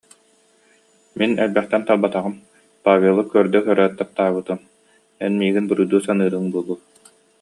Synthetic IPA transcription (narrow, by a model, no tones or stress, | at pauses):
minɛlbɛχt̪ɛnt̪alˠbat̪aʁɯm | paːvʲelˠɯkœɾd̪œkœɾœːt̪ːap̚t̪aːβɯt̪ɯm | ɛnmiːɡinbɯɾujd̪uːsanɯːɾɯŋbuɔlˠu